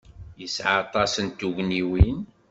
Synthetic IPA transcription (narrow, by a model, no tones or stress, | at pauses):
jəsʕat̪ˤɑsənt̪uʝniwin